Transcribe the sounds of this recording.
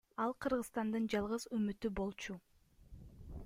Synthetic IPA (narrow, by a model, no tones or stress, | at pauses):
ɑlˠqʰɯɾʁəzst̪ɑnd̪ɯnd͡ʒɑlˠʁɯzømyt̪ybo̞lˠt͡ʃu